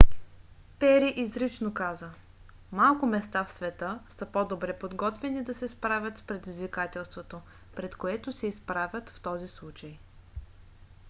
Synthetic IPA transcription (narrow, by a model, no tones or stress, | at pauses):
pɛɾiʔizɾit͡ʃnokazə | malˠkʊmɛst̪afsvɛt̪ɤsəpod̪obɾɛpod̪ɡɔt̪vɛnid̪ɐsɛspɾavʲət̪spɾɛd̪izvikat̪ɛlˠst̪vot̪o | pɾɛt̪koɛt̪ʊsɛispɾavʲjət̪ft̪ɔzislˠut͡ʃəj